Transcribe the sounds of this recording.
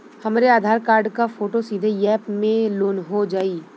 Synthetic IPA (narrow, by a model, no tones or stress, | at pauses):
hɐmɾeaːd̪ʱaːɾkaːɾɖkafoːʈosiːd̪ʱejɛːpmẽloːnɦod͡ʒaːiː